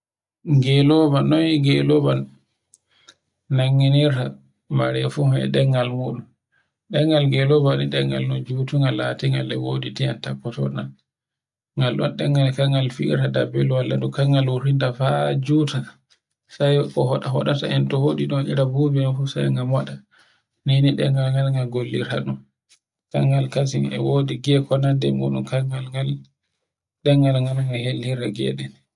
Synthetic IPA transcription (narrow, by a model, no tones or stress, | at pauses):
ɡɛlɔbanːɔniɡɛlɔban | naŋːiniɾta | maɾɛfuhɛ̰ɗɛŋɡalmuɗum | ɗɛŋɡalɡɛlɔbaniɗɛŋɡa̰lnɔd͡ʒutuŋɡalːatiŋalːɛ̰woditiantapːɔtɔ̰nan | ŋɡalɗɔ̰nɗɛŋɡalkaŋɡalfiḭɾtadabɛluwalːa̰ɗukaŋɡaluɾintafad͡ʒuta | sajkɔhɔɗahɔɗata̰ʔɛntɔhoɗiɗɔnʔiɾabubinɔfusajŋɡamwaɗa | niniɗɛ̰ŋɡalŋɡalŋɡalɡolːiɾa̰ɗun | ka̰ŋɡalkas̬iŋɛ̰wodiɡɛkɔnandɛmuɗṵmkaŋɡalŋal | ɗɛŋɡalŋɡalŋɡahelhiɾaɡɛ̰ɗɛn